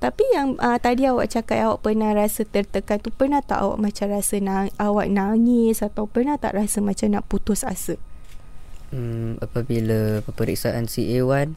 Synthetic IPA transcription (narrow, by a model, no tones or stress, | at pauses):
t̪apijaŋət̪adiawa̰ʔt͡ʃakat̪̚awaʔpərnarasət̪ərt̪əkant̪upərnat̪a̰ʔa̰wa̰ʔmãt͡ʃamrasənaʔawaʔnaŋɪsat̪awpərnat̪a̰ʔrasəmãt͡ʃamnaʔput̪ʊsasə | əmapabilapəpəɾḭk̚saʔansiewan